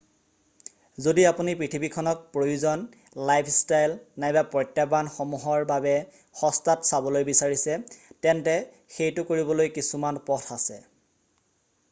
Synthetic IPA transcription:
zodiapunipɹitʰibikʰɔnɔk̚pɹojuzɔn | lajpʰstajlnajbapɹɔjtːabanxomuɦɔɹbabɛ | xɔstatsabɔlojbisaɹisɛtɛntɛ | xejtʊkoɹibɔlojkisumanpɔtʰasɛ̰

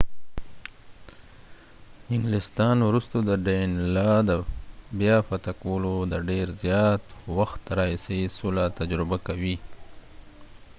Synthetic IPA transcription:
ɪŋɡlɪst̪ɑnwɾust̪od̪əɖenlɑd̪əbjɑfat̪akwolod̪əɖeɾzjɑt̪waxt̪ɾɑisesolat̪ad͡ʒɾɪbakawi

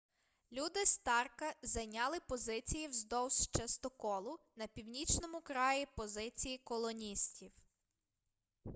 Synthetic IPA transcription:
lʲud̪ɪst̪ɑrkɐzɐjnʲɑlˠɪpɔzɪt͡sʲijiwzd̪ɔwst͡ʃɐst̪ɔkɔlˠʊ | nɐpʲiwnʲit͡ʃnɔmʊkɾɑjipɔzɪt͡sʲijikɔlˠɔnʲisʲtʲiw

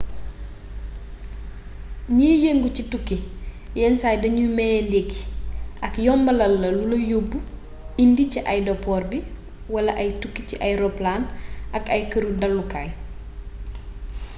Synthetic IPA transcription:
ɲiːjeŋɡucitukːi | jɛnsaːjdɐɲumɛjɛndekːi̥ʔɐkjɔmbɐlɐlːɐlulɐjobːu | indiciʔajdɔpːɔːrbi | wɐlɐʔɐjtukːiciʔajɾɔplaːnʔɐkɐjkɐɾudɐlːukaːj

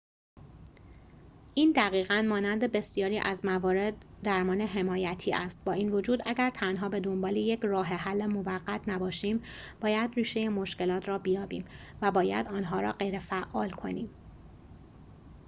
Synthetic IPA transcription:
ʔiːnd̪æɣiːɣænmɒːnænd̪e̞be̞sijɒːɾiːʔæzmævɒːɾe̞d̪ːæɾmɒːneɦe̞mɒːjæt̪ʰiːʔæst̪̚bɒːiːnvo̞d͡ʒuːd̪ʔæɟæɾt̪ʰænɦɒːbe̞d̪ombɒːlijecʰrɒːɦeɦælːemo̞væɣːæt̪ʰnæbɒːʃiːmb̥ɒːjæd̪riːʃe̞jemo̞ʃce̞lɒːt̪ʰɾɒːbijɒːbḭːmvæbɒːjæ̰d̪ɒːnɦɒːɾɒ̰ːɢe̞jɾefæʔɒːlkʰo̞̰niːm

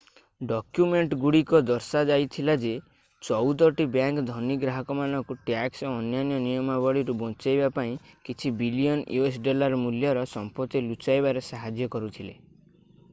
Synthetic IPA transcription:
ɖɔkjumeɳʈɡuɽikɔd̪ɔɾsad͡ʒajt̪ʰilad͡ʒe | t͡ʃɔwd̪ɔʈibjaŋkd̪ʱɔniɡɾaɦɔkɔmanɔŋkuʈaksɔɔnjanjɔnijɔmabɔɽiɾubɔnt͡ʃajbapaĩkit͡ʃʰibilijɔnjuesɖɔlaɾmuljɔɾɔsɔmpɔt̪ilut͡ʃajbaɾesaɦad͡ʒjɔkɔɾut̪ʰile

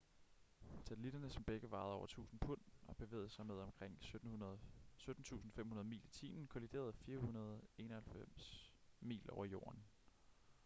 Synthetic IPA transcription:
sʰæt͡sʰlid̥ɐnəsɒ̽mb̥eɡ̥əʋɑ̈ːðˠɒʊɐt͡sʰṵːsn̩pʰɔn̰ɒ̽b̥e̝ʋe̝̰ːð̞̩ˠsɑ̈ɪmeð̞ˠɒ̽mkʰʁeŋ̰ | sød̥n̩t͡sʰṵːsn̩femhunɐð̞ˠmḭːlit͡sʰḭːnn̩kʰolid̥e̝̰ːɐð̞̩ˠfiːɐhunɐð̞ˠe̝nɒ̽hælfem̰smḭːlʔɒʊɐjo̝̰ːɐn

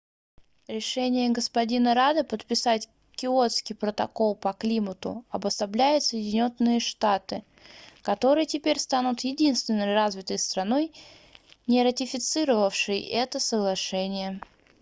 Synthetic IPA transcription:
ɾʲɪʂɛnʲɪjəɡəspɐdʲinəɾad̪ɨpət̪̚pʲɪsatʲ | kʲɪo̞t̪skʲɪjpɾət̪ɐko̞lˠpɐklʲimət̪ʊ̰ɐbəst̪ɐblʲæjʊt̪səjɪdʲɪnʲo̞nːɨjəʂt̪at̪ɨ | kɐt̪o̞ɾɨjətʲɪpʲeɾʲst̪anʊt̪jɪdʲinst̪vʲɪnːəjrazvʲɪt̪əjst̪ɾɐno̞j | nʲɪɾətʲɪfʲɪt̪sɨɾəvəfʂɨjə̰ʔɛt̪əsəɡlˠɐʂɛnʲɪjə

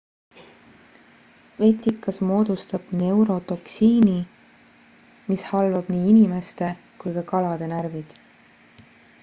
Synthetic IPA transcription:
ve̞t̪ːˑikːɑsmo̞ːd̪̥ust̪ɑb̥ne̞wɾo̞t̪o̞ksiːni | mishɑlvɑb̥niːinime̞st̪e̞ | kujkɑkɑlɑd̪̥e̞næɾvid̪̥

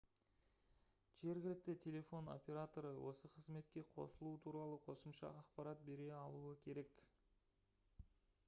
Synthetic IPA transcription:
ʒ̥e̞ɾɡʲɪlɪk̚t̪ɪt̪ʲʰe̞lʲe̞fo̞no̞̰pʲe̞ɾat̪o̞ɾəwʔo̞̰səqʰəzme̞t̪kʲe̞qʰo̰səlˠuət̪ʰuɾɑlˠəqʰo̞səmʃɑ̰ɑqpɑɾat̪̚be̞ɾe̞ɑlˠuəkʲʰe̞ɾe̞k

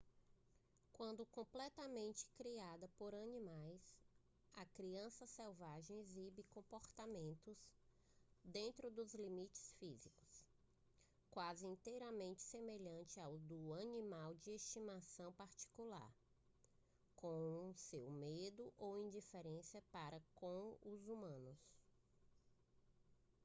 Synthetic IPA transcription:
kwɐ̃nd̪ʊkõplɛt̪ɐmẽnt͡ʃɪ̥kɾiad̪ɐpoɾɐnĩmajs | ɐkɾiɐ̃sɐsɛwvaʒẽj̃ezibɪkõpoɾt̪amẽnt̪ʊz | d̪ẽnt̪ɾʊd̪ʊzlimit͡ʃɪ̥sfizikʊ̥s | kwazɪĩt̪ejɾɐmẽnt͡ʃɪ̥semeʎɐ̃t͡ʃɪawd̪ʊɐnĩmawd͡ʒɪest͡ʃimasɐ̃w̃paɾt͡ʃi̥kula̰ɾ | kõũsewmed̪ʊʔowĩd͡ʒifeɾẽsiɐpaɾɐkõʊzumɐ̃nʊs

